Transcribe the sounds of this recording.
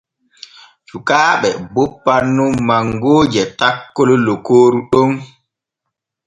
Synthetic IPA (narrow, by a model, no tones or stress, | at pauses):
t͡ʃukaːɓɛbopːanːummaŋɡoːd͡ʒɛtakːɔlɔlɔkoːɾuɗɔn